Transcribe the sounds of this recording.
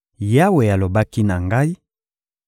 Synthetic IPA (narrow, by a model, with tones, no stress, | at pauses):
ja˦we˨ja˨lo˨ba˦ki˦na˨ŋɡa˦i˦